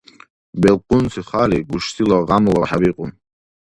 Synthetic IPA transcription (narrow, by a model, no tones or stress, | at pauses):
bɛlqʼunsʰiχaːliɡuʃt̪ʰilɔʁamlɔħabiqʼun